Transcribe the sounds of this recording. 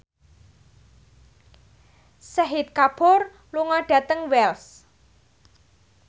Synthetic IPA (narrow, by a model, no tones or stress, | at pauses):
səɦit̪̚kapʊr | luŋɔɖ̥ä̤t̪əŋwɛls